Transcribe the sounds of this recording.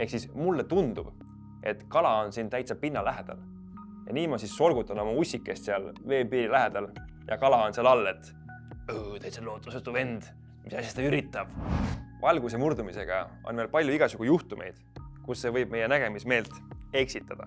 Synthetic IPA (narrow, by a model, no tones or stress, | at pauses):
e̞hksismulːet̪und̪̥ub̥ | e̞t̪kɑlɑo̞nsiːnt̪æjt̪sɑpːinːɑlæɦed̪̥ɑ̰l | jɑ̰niːmɑsisːo̞lɡ̥ut̪ːˑɑnomɑusʲːikːˑe̞st̪seɑlve̞ːpiːɾilæɦe̞d̪̥ɑl | jɑ̰kɑlɑo̞nseɑlɑlːe̞t̪ˑ | ɯːt̪æjt̪selːo̞ːt̪ːˑu̥set̪ːuve̞nd̪̥ | misɑsjɑsd̪ɑyɾit̪ˑːɑb̥vʔɑlɡ̥us̬e̞murd̪umise̞ɡ̥ɑ̰ | o̞̰nme̞ːlpɑlʲjuiɡ̥ɑsuɡ̥ujuht̪umʔe̞̰jd̪̥kusːe̞vɤjb̚me̞je̞næɡ̥e̞misme̞ːlt̪e̞ksit̪ːˑɑd̪̥ɑ̰